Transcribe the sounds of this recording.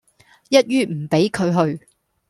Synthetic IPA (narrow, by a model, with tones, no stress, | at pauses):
jɐ˥t̚ɥyː˥m̩˨˩pe˨˥jkʰɵ˨˧ɥɦɵ˧ɥ